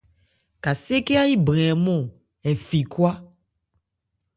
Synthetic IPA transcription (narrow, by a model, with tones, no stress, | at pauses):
ka˨se˦ke˦a˦ji˦bɾɛ̃˨mɔ̃˦˨ | ɛ˨fi˨kwa˦